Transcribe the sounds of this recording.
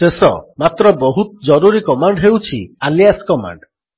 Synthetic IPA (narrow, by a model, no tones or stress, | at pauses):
sesɔ̰mat̪ɾɔbɔɦut̪̚d͡ʒɔɾuɾikɔmaɳɖɦewt͡ʃʰialijaskɔma̰ɳɖ